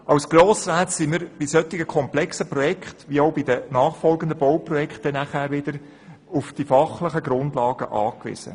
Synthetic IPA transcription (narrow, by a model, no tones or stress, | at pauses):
ʔɑwsɡ̥roːsraːtsiməɾb̥isœt̪ɪɡəkʰɔmplɛksəprɔjɛkχt̪ʋioʊbɪd̪ənɑːχfɔlɡənd̪əbɔwprɔjɛkχtɛnæχæːɾʋɪd̪əɾ | ʊfd̥ifɑχləχəɡɾʊndlɑːɡə̰ʔɑːkʋɪ̰z̥ə̰